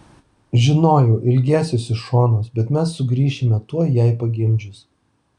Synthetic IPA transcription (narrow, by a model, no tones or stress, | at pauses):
ʒʲɪnoːjɛʊʔɪlʲɡʲæːsʲoːsɪʃʃoːnoːsbʲɛt̪mʲɛsːʊɡɾʲiːʃʲɪmʲɛt̪uɔjæˑɪpɐɡʲɪmʲd͡ʒʲʊs